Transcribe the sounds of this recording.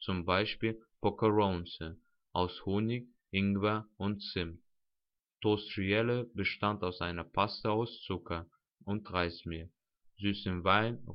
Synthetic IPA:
t͡sʊmbaɪʃpiːlpɔkəʁonsə | ʔaʊshoːnɪk | ʔɪŋɡvɐʔʊntt͡sɪm | tostʁiɛləbəʃtantaʊsʔaɪnɐpʰastəaʊst͡sʊkʰɐ | ʊnt̚ʁaɪsmiːɐ | zyːsɪnvaɪn

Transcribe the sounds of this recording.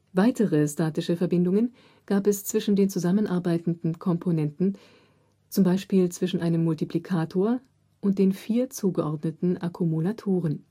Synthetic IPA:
vaɪtəʁəstaːtɪʃəfɛɐbɪndʊŋən | ɡ̥aːpɛst͡sv̥ɪʃn̩deːnt͡suzamənʔaɐbaɪtn̩dn̩kʰɔmpʰonɛntn̩ | t͡sʊmbaɪʃpiːlt͡sv̥ɪʃn̩ʔaɪnəmːʊltipʰlikʰaːtʰoːɐ | ʔʊnt̚d̥eːnfiːɐt͡suːɡəʔɔɐdnətn̩ʔakʰumulatʰoːʁ̞ən

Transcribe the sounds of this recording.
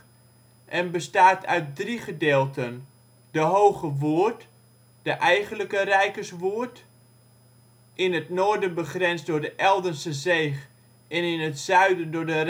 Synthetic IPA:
ʔɛnbəstaːtʰœ̰ɥt̚driχədeːlˠtən | d̥əɦowχəʋoərt | d̥əʔɛjχənləkərɛjkərsʋuərt | ʔɪnətnʊrdənbəχrɛnsdʊɹdəʔɛlˠdənsəzejχ | ʔɛnɪnətsœɥdəndʊdər

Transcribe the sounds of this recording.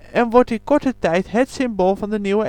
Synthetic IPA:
ɛnʋɔɹtɪnkɔɹtətɛjtɦətsɪmboːlˠvɑndəniwə

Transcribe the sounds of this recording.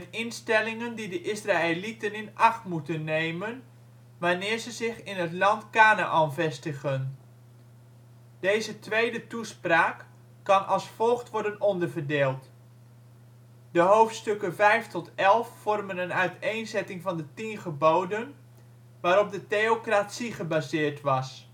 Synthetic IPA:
ənɪnstɛlɪŋəndidəʔɪsraːelitənɪnʔɑχtmutənːejmən | ʋaːnɪːɹzəzɪχɪnɦətlɑntkaːna̰ʔɔnvɛstəχən | d̥ejzətʋejdətuspraːkː | ɑnʔɑlˠsfɔlˠχtʋɔɹdənɔndəɹvəɹdeːlˠt | dəɦowftstɵkənvɛjftɔtɛlˠfːɔrmənənœɥtejnzɛtɪŋvɑndətinχəbowdən | ʋaːɾɔp̚dəteokratsiχəbaːzɪːɹtʋɑs

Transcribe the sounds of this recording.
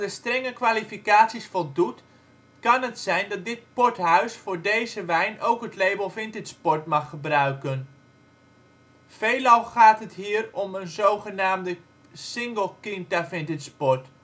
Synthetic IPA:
dəstrɛŋəkʋaːlifikaːtsisfɔlˠdut | kɑnətsɛjndɑt̚dɪtpɔɹtɦœɥsfʊːɹdejzəʋɛjnowkɦətlejbəlˠvɪntɪtspɔɹtmɑχːəbrœɥkən | v̥ejlɑlˠχaːtɦətɦiːɾɔmənzowχənaːmdə | sɪŋɡəlˠkɪntafɪntɪtspɔɹt

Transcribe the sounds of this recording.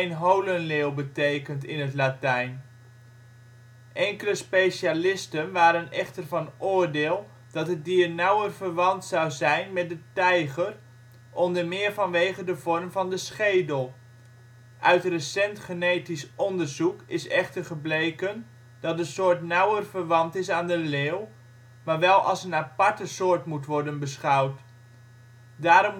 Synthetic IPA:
nɦowlənleːwˠbətejkəntɪnətlatɛjn | ʔɛŋkələspejʃalɪstənʋaːɾənɛχtərvɑnʊːɹdeːlˠ | d̥ɑtɦədiːrnʌwərvəɹʋɑntsɑwzɛjnmɛt̚dətɛjχər | ʔɔndəɹmɪːɹvɑnʋejχədəvɔrmvɑndəsχejdəlˠ | ʔœɥtrəsɛntχənejtisʔɔndəɹzukɪsɛχtəɹχəblejkən | d̥ɑt̚dəsoːɹtnʌwərvəɹʋɑntɪsaːndəleːw | maːɹʋɛlˠʔɑ̰lˠsənapɑɹtəsʊːɹtmutʋɔɹdənbəsχʌwt | daːɾɔm

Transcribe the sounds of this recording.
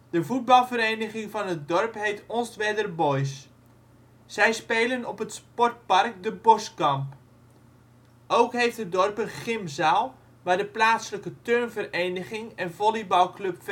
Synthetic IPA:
d̥əvut̚bɑlˠvərejnəχɪŋvɑnət̚dɔrpɦejtɔnstʋɛdərbɔjs | z̥ɛjspeːlənɔpətspɔrt̚pɑrk̚dəbɔskɑmp | ʔowkɦejftədɔrpənχɪmzaːlˠ | ʋaːdəplaːtsləkətørnvərejnəχɪŋɛnvɔlibɑlˠkløpf

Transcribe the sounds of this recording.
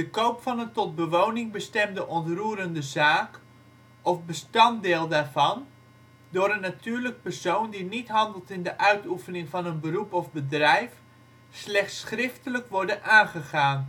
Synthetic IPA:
d̥əkowpfɑnəntɔt̚bəʋownɪŋbəstɛmdəʔɔntruːəɾəndəzaːk | ɔfbəstɑntdeːlˠdaːrvɑn | dʊːɾənːatyːɹlək̚pərsowndinitɦɑndəlˠtɪndəʔœɥtufənɪŋvɑnənbərupɔvbədrɛjf | slɛχtsχrɪftələkʋɔɹdənʔaːnχəχaːn

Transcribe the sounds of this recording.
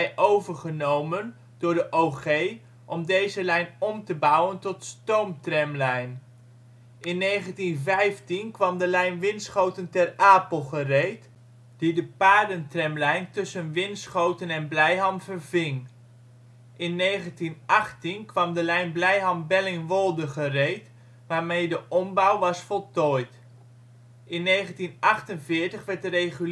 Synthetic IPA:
ɛjʔowvəɹχənowmən | d̥ʊːɹdəʔowχej | ʔɔmdejzəlɛjnɔmtəbʌwəntɔtstowmtrɛmlɛjn | ʔɪnːejχəntinvɛjftinkʋɑmdəlɛjnʋɪnsχowtəntɛraːpəlˠχərejt | d̥idəpaːdəntrɛmlɛjntɵsənʋɪnsχowtənɛnblɛjɦɑmvərvɪŋ | ʔɪnːejχəntinʔɑχtinkʋɑmdəlɛjnblɛjɦɑmbɛlɪŋʋɔlˠdəχərejt | ʋaːɹmejdəʔɔmbʌwʋɑsfɔlˠtɔjt | ɪnːejχəntinʔɑχtənvɪːɹtəχʋɛɹt̚dərejχy

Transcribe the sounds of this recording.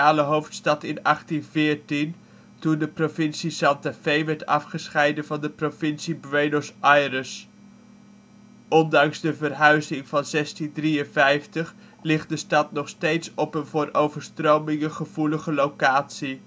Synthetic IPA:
aːləɦowftstɑtɪnɑχtinvɪːɹtin | tundəprovɪnsisɑntafejʋɛɹtɑfχəsχɛjdənvɑndəprovɪnsibɹejnosajrəs | ʔɔndɑŋzdəvərɦœɥzɪŋv̥ɑnzɛstindriənvɛjftəχ | lɪχt̚dəstɑtnɔχstejtsɔpənvʊːrowvəɹstrowmɪŋəχəv̥uləχəlowkaːtsi

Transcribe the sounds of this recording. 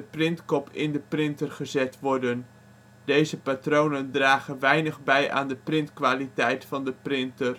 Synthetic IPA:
əprɪntkɔpʰɪ̰ndəprɪntərχəzɛtʋɔrdən | dejzəpatrownəndraːχənʋɛjnəχbɛjʔa̰ːndəprɪntkʋaːlitɛjtfɑndəprɪntər

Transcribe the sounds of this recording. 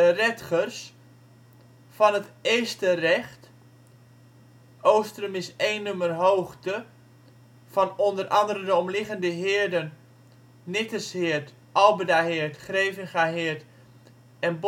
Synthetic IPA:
rɛtχərs | fɑnəteːstərɛχt | owstrəmɪsejnːømərɦoːχtə | fɑnɔndərʔɑndəɾəndəɔmlɪɣəndəɦɪːɹdən | nɪtəshɪərt | ʔɑlˠbədahɪərtχrejvənχaɦɪərt | ɛnb

